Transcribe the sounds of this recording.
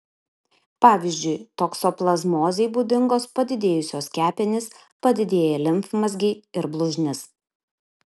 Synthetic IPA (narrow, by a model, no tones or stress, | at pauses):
pɑːʋʲɪzʲd͡ʒʲʊɪt̪oksoːplˠɐzmoːzʲɛɪbuːd̪ʲɪŋɡoːspɐd̪ʲɪd̪ʲeːjʊsʲoːskʲæːpʲɛnʲɪs | pɐd̪ʲɪd̪ʲeːjɛlʲɪmfmɐsʲɡʲɪɪɾblˠʊʒʲnʲɪs